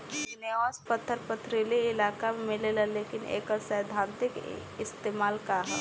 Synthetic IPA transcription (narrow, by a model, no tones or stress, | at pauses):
ɪneaːspət̪ʰːəɾpət̪ʰɾiliɪlaːkamemɪlelaleːkɪnḛːkəɾsəjd̪ʱãːnt̪ɪk | ɪst̪eːmaːlkaɦɛ